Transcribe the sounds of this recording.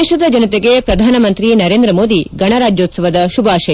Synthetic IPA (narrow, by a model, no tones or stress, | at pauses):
eːʃɐd̪ɐd͡ʒɐnɐt̪eɡepɾɐd̪ʱaːnɐmɐnt̪ɾinɐɾeːnd̪ɾɐmoːd̪iɡɐɳ̃ɐɾaːd͡ʒjoːt̪sɐʋɐd̪ɐʃubʱaːʃe